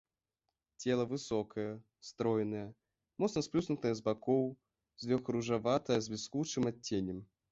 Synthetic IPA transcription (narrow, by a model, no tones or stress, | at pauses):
t͡sʲɛlˠɐvɨsɔkʰɐjɐ | st̪ɾɔjɛnɐjɛ | mɔt̪snɐsplʲusnut̪ɨjɐzbakɔw | zlʲɔxɾuʐavat̪ɐjɐzʲbʲiskut͡ʂɨmatʲːenʲɛm